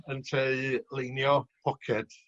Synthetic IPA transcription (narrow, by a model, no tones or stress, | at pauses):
əntʰeliːnjɔpʰɔkʰɛd̥